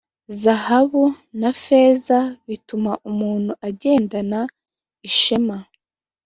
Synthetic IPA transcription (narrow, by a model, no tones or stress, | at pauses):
zahaβunafezaβitumaʔumuːn̥huʔaɟe̞ːndana | iʃema